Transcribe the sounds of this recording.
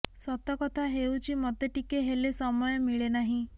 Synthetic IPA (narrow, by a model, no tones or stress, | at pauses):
sɔt̪ɔkɔt̪ʰaɦewt͡ʃʰimɔt̪eʈikeɦelesɔmɔjɔmiɭenaɦĩ